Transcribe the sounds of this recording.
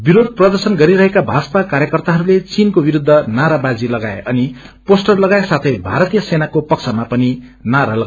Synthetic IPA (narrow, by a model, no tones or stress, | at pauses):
biɾod̪̚prʌd̪ʌrsʌnɡʌɾiɾʌɦekabʱad͡zʌ̥pakaɾjʌkʌrt̪aɦʌɾulet͡sinkobiɾud̪ʱːʌnaɾabad͡zilʌɡaeʔʌni | posʈʌrlʌɡaesat̪ʰʌjbʱaɾʌt̪ijʌsenakopʌksʰamapʌninaɾalʌɡ